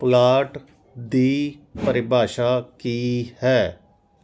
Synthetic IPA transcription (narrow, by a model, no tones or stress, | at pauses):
plaːʈ | d̪iːpəɾɪbʱaːʃaːkiːhɛː